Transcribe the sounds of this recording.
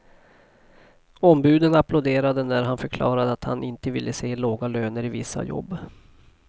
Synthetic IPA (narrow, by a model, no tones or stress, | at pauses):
ɔmbʉ̟ːd̪ənapʰlʊd̪eːɾad̪ənæɾɦanfœɾkʰlɑ̰ːɾad̪əat̪ha̰nʔɪnt̪əvɪlːəseːloːɡaløːnəɾɪvɪsːa̰jɔ̰bː